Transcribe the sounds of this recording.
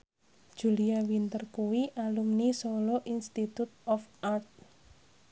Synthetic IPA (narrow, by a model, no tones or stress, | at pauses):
d̥ʒ̥ṳliawint̪ərkuwiʔalumnisolɔʔinst̪it̪ut̪̚ɔfart̪̚